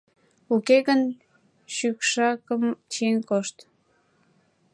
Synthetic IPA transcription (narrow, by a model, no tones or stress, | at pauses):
ukeɣən | ɕykʃɑkəmt͡ɕienkoʃt̪